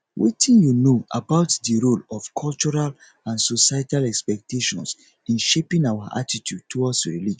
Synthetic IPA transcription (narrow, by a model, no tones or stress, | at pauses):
wetʰĩnjunoʔa̰baʊtdəɹolɔfkʰɔlt͡ʃɔɹal | ãnsosajtalɛkspɛk̚tʰeʃɔ̰̃ns | ĩnʃepĩŋawaʔa̰titʰjud̚tʰːuwɔdsɹilid͡ʒ̃